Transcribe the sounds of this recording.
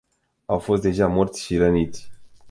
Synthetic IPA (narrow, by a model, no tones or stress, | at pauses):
awfo̞s̬t̪̚d̪eʒamo̞rt̪sʲʃiɾənit̪sʲ